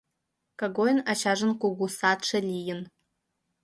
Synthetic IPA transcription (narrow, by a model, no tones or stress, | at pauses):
kʰʼaɡojnat͡ʃʰaʐʷɨnkʷʊɡʷusatʈ͡ʂʰalijɪn